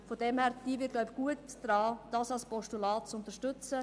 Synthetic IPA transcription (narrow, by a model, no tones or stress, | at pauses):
fodɛmhæːɾd̥iːvɪt̚ɡ̥lɔʊbɡ̥uətd̥ɾɑːd̥ɑːsɑlspɔʃtulɑːt̚t͡sʊnt̪əʃtʏt͡sə